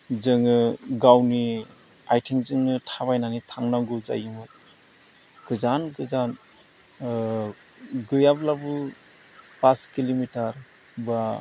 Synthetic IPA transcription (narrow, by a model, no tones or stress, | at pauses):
zɯŋɯɡawni | ajtʰeŋzɯŋɯtʰaβajnanitʰaŋnaŋɡuza̰jɯmɯt̚ | ɡ̥ɯzanɡɯzan | ɡɯjablabɯ | paskilimitaɾ | ba